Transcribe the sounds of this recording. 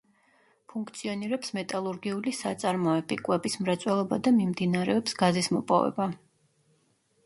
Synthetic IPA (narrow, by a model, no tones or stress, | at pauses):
pʰuŋkʰt̪sʰiɔniɾɛpsmɛt̪ʼalˠuɾɡiulisat̪sʼaɾmɔɛbikʼwɛbismɾat̪sʼwɛlˠɔbad̪amimd̪inaɾɛɔpsɡazismɔpʼɔ̰vɛ̰ba